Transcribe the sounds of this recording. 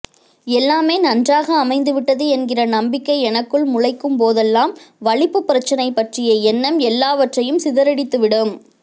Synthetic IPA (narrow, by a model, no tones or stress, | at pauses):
ɛlːaːmeːnɐndraːɣɐːmɐɪnd̪ɯʋɪʈːɐðɯɛnɡɪrɐnɐmbɪkːɐɪɛnɐkːɯɭmʊɻɐɪkːɯmpoːðɛlːaːmʋɐɭɪpːɯpːɪɾɐt͡ʃːɐnɐɪpːɐʈrɪjɐɛnːɐmɛlːaːʋɐʈrɐjɯmsɪðɐɾɐɽɪt̪ːɯʋɪɽɯm